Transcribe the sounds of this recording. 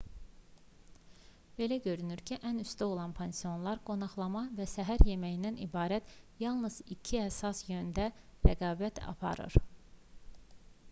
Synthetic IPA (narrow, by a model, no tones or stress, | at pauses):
b̥e̞læɟø̞ɾynyɾcʰiʔænyst̪æo̞lˠɑnpʰensijo̞nlˠɑɾɡo̞nɑχlˠɑmɑvæsæɦæɾje̞mæjind̪ænḭbɑːɾæt̪jɑlˠnɯz̥icʰiæsɑsjønnd̪æɾæɡɑːbæt̪ʰɑ̰pʰɑ̰ɾɯ̰ɾ̥